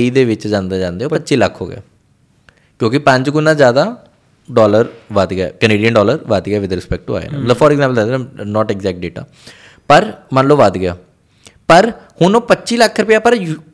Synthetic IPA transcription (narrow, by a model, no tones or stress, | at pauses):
iːd̪eːʋɪt͡ʃd͡ʒãːnd̪aːd͡ʒãːnd̪eːoːpətːʃiːləkʰːo̰ːɡɪ̰a̰ː | kjõːkɪpə̃ɲd͡ʒkʊnːãːzjaːd̪aː | ɖɔːləɾʋəd̪ɡa̰ːkəneːɖijənɳɖɔːləɾʋad̪ɡɪaːʋɪd̪ɾɪspɛk̚ʈṵa̰ːḛːnḛ̃ːmət̪ləbfʰɔːɾɛɡzãːmpəld̪ad̪enːnɔːʈɛɡzɛːk̚ʈ̚ɖeːʈa̰ː | pəɾmənloːʋad̪ɡɪja̰ː | pəɾhʊnoːpətːʃiːləkʰːɾʊpjaːpəɾ